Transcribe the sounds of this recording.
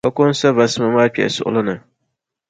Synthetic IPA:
kɐ˦kʊ˦n˦sa˦va˨sma˨maː˦pʲi˨ʔa̰˨sʊ̰˨ʔʊ̰˦lʊ˦nɨ˨

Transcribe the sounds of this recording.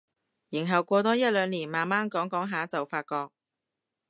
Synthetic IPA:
ji˨˩nɦɐ˨˩wkʷɔː˧t̪ɔː˥jɐ˥t̚lœː˨˧ŋliː˨˩nmaː˨˩nmaː˥nkɔː˨˥ŋkɔː˨˥ŋɦaː˨˥t͡sɐ˨wfaː˧t̚kɔː˧k̚

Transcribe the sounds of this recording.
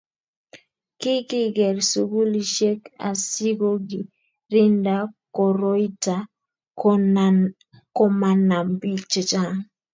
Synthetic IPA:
kɪ˦kɪ˦ɡɛ˨ɾsu˨ɡu˦li˨ʃe˦ka̰˨si˦ɡo˦ɡi˨ | ɾɪ˦nda˦ko˨ɾo˦i˦ta˨ | ko˦ma˨na˨mbi˦t͡ʃe˨t͡ʃa˦˨ŋ

